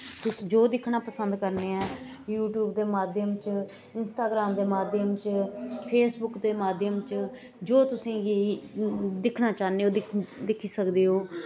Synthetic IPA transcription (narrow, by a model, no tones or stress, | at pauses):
t̪ʊsĩd͡ʒoːd̪ɪkʰnaːpəsənd̪kəɾneːɛː | juːʈjuːbd̪eːmaːd̪ʱjəmt͡ʃ | ɪnsʈaːɡɾaːmd̪eːmaːd̪jəmt͡ʃpʰeːsbʊkd̪eːmaːd̪jəmt͡ʃ | d͡ʒoːt̪ʊsĩːje | d̪ɪkʰnaːt͡ʃaːneːoːd̪ɪd̪ɪkʰiːsəkd̪eːɦoː